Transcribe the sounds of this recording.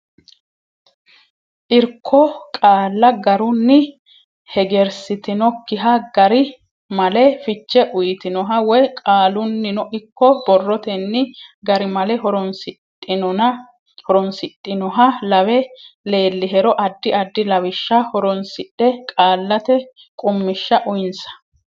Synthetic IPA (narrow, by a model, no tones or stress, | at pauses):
ʔɪɾkʰːɔkʼaːlːɐɡɐɾʊnːɪ | hɛɡɛɾsɪt̪ɪnɔkːɪɦɐɡɐɾɪ | mɐlɛfɪt͡ʃːɛʔʊjt̪ɪnɔɦɐwɔjkʼaːlʊnːɪnɔʔɪkːɔbɔrːɔt̪ɛnːɪɡɐɾɪmɐlɛɦɔɾɔnsɪtʼːɪnɔnɐ | hɔɾɔnsɪt̪ʼːɪnɔɦɐlɐwɛle̞ːlːɪɦɛɾɔʔɐd̪ːɪɐd̪ːɪlɐwɪʃːɐhɔɾɔnsɪᶑɛkʼaːlːɐt̪ɛ | kʼʊmːɪʃːɐʔʊjɪnsɐ̥